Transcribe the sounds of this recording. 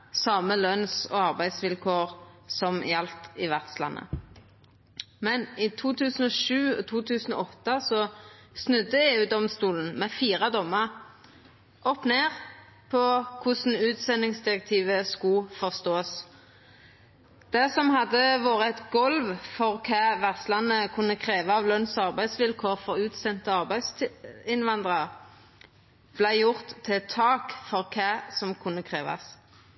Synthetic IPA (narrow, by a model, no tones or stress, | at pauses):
sɑːməlœnsɔ̰ɑʁbæɪsʋɪlkʰoːʁsɔmjɑlt̪ɪʋæʁt̪slɑ̰nːʔə̰ | mɛniːt̪ʰuːt̪ʰʉːsən̩ɔːʃʉːt̪ʰuːt̪ʰʉːsən̩ɔ̰ɔt̪ːəsɔsnʉd̪ːəeːʉːd̪ɔmst̪uːln̩mɛːfiːʁəd̪ɔmːəʁ | ʔɔpneːʁ | pʰɔkʰʊsn̩ʉːt̪sɛnːɪŋsd̪ɪʁɛk̚t̪ʰiːʋəskʊfɔʁst̪oːs | d̪̥ɛsɔmhɑd̪əʋoːʁəɛt̪ɡɔlʋfɔʁkʰæːʋæʁslɑnəkʰʉnːəkʰʁeːʋɑɑːʋlœnsɑʁbæɪd̪sʋɪlkʰoːʁfɔʁʉːt̪sɛnt̪əɑʁbæɪsɪnʋɑnd̪ʁɑʁ | b̥læɪjʊʁt̪ʰːɪt̪ʰɑːkfɔʁkʰæːsɔmkʰʊnːəkʰʁeːʋɑ̰s